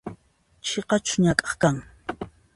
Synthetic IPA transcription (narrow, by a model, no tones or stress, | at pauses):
t͡ʃʰeqɑt͡ʃʊ̥ɲakʼɑ̥χkaŋ